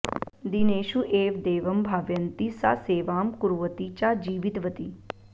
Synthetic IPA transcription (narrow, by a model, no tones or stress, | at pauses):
d̪ineːʃuʔeːʋd̪eːʋɐmbʱaːʋjənt̪isa̰seːʋaːmkuɾuʋət̪it͡ʃad͡ʒiːʋɪt̪ʋət̪i